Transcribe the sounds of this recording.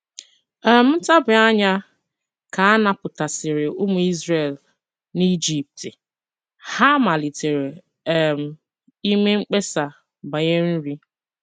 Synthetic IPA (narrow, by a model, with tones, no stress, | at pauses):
ɛ˨m̩˦ta˦bʊ˨a˦ɲa˦ | ka˨a˦na˨pʊ˨ta˨sɪ˨ɾɪ˨ʔʊ˦mʊ˨˦i˦zɾe˨l | ni˦d͡ʒi˦p̚tɪ˨ | ha˦ma˨li˨te˨ɾe˨˦˨ | m̩˨ | i˦me˦ŋ͡m̩˦k͡pe˦sa˨ | ba˨ɲe˦ɾn̩˦ɾi˦